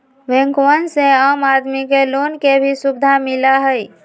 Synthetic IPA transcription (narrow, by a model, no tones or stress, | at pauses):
ʋẽŋkwənsẽəmad̪mikelonkebʱisubd̪ʱamilaɦəj